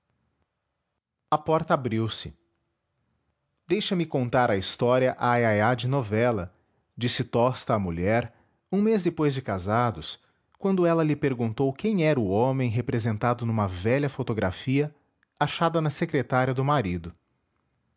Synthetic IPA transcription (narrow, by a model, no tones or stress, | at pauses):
ɐpɔɾt̪ɐabɾiwsɪ | d̪̥ejʃɐmɪkõnt̪aɾɐist̪ɔɾiɐʔaajajad͡ʒɪnovɛlɐ | d͡ʒisɪt̪ɔst̪ɐːmuʎɛɾ | ũmezd̪epojzd͡ʒɪkazad̪ʊs | kwɐ̃nd̪ʊɛlɐlɪpeɾɡũnt̪owkẽj̃ɛɾʊõmẽj̃ɦepɾezẽnt̪ad̪ʊnũmɐvɛʎɐfot̪oɡɾa̰fiɐ | aʃad̪ɐnɐsekɾet̪aɾiɐd̪ʊmaɾid̪ʊ